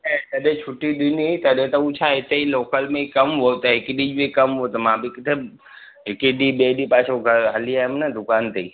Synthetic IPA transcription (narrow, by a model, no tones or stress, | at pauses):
ɛt̪ɐɗẽt͡ʃʰʊʈːiɗ̪iniit̪ɐɗẽt̪ɐut͡ʃʰaɦɪt̪eiloːkəlmẽikɐmɦot̪ɐɦɪkiɗid͡ʒmẽkɐmɦot̪ɐmãːbikɪt̪ʰe | ɦɪkeɗibeːɗipaːt͡ʃʰoɡʱɐɦɐliaːɦmnɐd̪ʊkaːnt̪ei